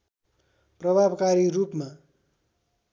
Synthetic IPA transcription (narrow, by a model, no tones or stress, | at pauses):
prʌbʱabkaɾiɾupma